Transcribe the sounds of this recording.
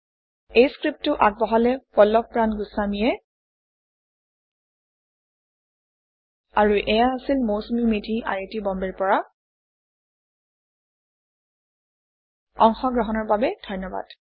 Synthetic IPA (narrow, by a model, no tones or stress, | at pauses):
ejskɹip̚tʊʔak̚bɔɦalɛpɔlːɔk̚pɹanɡusamiɛ | aɹuʔɛjaːsilmowsumimidʱiʔa̰ɹitibɔmbɛɹpɔɹa | ɔŋxɔɡɹɔɦɔnɔɹbabɛd̥ʱɔjnːɔba̰d̥